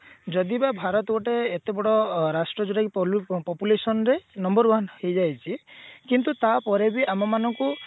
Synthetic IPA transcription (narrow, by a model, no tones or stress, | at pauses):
d͡ʒɔd̪ibabʱaɾɔt̪ɔɔʈeːt̪ebɔɽɔɾasʈɾɔd͡ʒuɾakipɔpjulesɔnɔɾenɔmbɔɾwanhejd͡ʒajt͡ʃʰikint̪ut̪apɔɾebiamɔmanɔŋku